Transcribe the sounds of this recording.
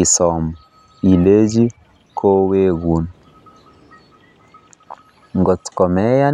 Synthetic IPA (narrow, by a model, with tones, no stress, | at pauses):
i˨sɔ˨mɔ˨ | i˨le˦d͡ʒi˦ | kʰo˦weː˦ɣu˨n | ŋɡɔ˨tkɔ˨mɛ˦ja˦